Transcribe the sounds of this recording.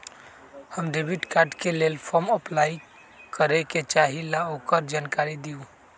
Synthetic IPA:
həmɖebiʈkaɾɖkelelpʰɔməplai | kəɾeket͡ʃaɦilaokəɾd͡ʒaːnkaɾid̪iu

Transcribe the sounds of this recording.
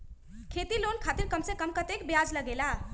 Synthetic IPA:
kʰet̪ilonkʰat̪iɾkəmsẽkəmkət̪ekbjad͡ʒləɡela

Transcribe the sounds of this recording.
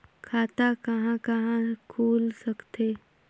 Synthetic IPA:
kʰaːt̪akɐɦãkɐɦãkʰuːlsɐkt̪eː

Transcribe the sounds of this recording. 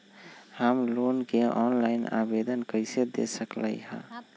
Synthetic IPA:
həmlonkeʔɔnlaɪna̰bed̪ənkəsed̪ḛsəklə̰jhə̰̃

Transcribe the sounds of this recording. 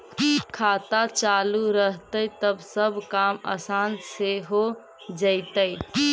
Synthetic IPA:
kʰat̪at͡ʃaluɾəɦt̪ət̪əbsəbkamə̰sanseɦo | d͡ʒəɪt̪əj

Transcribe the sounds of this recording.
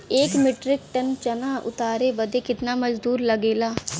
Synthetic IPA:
eːkmɪʈɾɪk̚ʈənt͡ʃənaːʔʊ̰t̪aːɾeːbəd̪eːkɪt̪naːməd͡ʒd̪uːɾləɡeːlaː

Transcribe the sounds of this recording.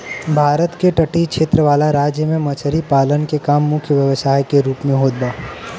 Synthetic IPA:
bʱaːɾət̪keʈəʈikʃeːt̪ɾəʋaːlaɾaːd͡ʒjəmẽmɐt͡ʃʰəɾipaːlənkekaːmːʊkʰjəʋjəʋəsaːjkeɾuːpmẽɦoːd̪̚baː

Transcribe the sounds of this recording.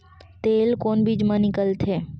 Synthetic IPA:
t̪eːlkoːnbʱid͡ʒmãnɪkəlt̪ʰeː

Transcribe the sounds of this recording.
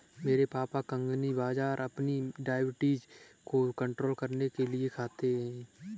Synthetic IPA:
meːɾepaːpakə̃ŋɡnibaːd͡ʒaːɾʔɐpniɖaːɪbɪʈiːd͡ʒkokə̃ɳʈɾoːlkɐɾnekeliekʰaːt̪eɦɛ̃ː

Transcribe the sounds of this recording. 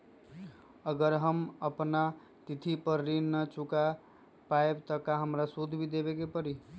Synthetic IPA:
əɡəɾɦəməpna | t̪it̪ʰipəɾːinət͡ʃuka | paebt̪əkaɦəmɾasud̪ʱbʱid̪ebekepəɾi

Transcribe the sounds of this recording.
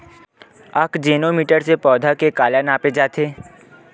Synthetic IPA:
əkd͡ʒeːnomiːʈəɾsepɔːd̪ʱakekaːlanaːped͡ʒaːt̪ʰeː

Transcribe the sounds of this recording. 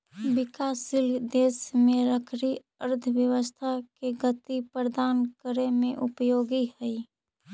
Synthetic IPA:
bɪkaːsild̪eːsmẽɾəkʰɾi | əɾd̪ʱəbjəwəst̪ʰakeɡət̪ipɾəd̪aːnkəɾemẽʔʊpjoːɡihəi

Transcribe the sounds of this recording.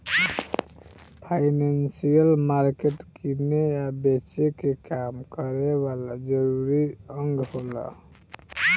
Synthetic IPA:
pʰaɪnansijəlmaɾkeʈkinejabet͡ʃekekamkəɾeβalad͡ʒəɾuɾiəŋɡholə̰

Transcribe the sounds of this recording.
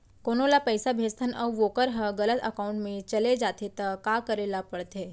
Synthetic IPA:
koːnolapɛɪsabʱeːd͡ʒt̪ʰənʔɔʋoːkəɾɦɐɡɐlət̪ɐ̰kaːʊ̃ɳʈmẽt͡ʃɐled͡ʒaːt̪et̪ɐkaːkəɾeːlapɐɽt̪eː

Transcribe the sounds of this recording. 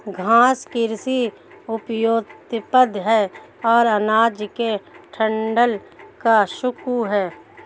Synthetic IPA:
ɡʱãːskɪɾsi | ʊpjoːt̪pəd̪ʱɦɛː | ɔːɾənaːd͡ʒkeʈʰə̃ɳɖəl | kaʃʊkuɦɛː

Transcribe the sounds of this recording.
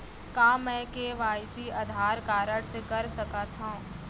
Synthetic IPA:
kãːmɛ̃ːkeʋaːɪsiɐd̪ʱaːɾkaːɾəɽsekɐɾsɐkat̪ʰã

